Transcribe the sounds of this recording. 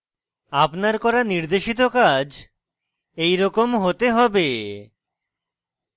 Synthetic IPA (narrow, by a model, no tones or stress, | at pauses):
apnaɾkɔɾaniɾd̪eʃit̪̬okad͡ʑ | ejɾɔkomɦot̪eɦɔbe